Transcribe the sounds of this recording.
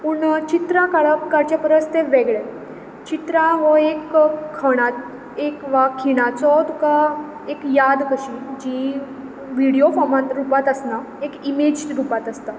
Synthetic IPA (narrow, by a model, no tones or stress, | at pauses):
puːɳt͡ɕit̪ɾakaɭəpkaɾt͡ɕapəɾəst̪eʋeɡɭɛ | t͡ɕit̪ɾaʋɔekkʰːəɽ̃at̪ | ekʋakʰiɽ̃at͡sɔt̪uka | ekjad̪kəɕid͡ʑi | ʋiɽiofɔɾmãt̪ɾupat̪əsna | ekimed͡ʑɾupat̪əst̪a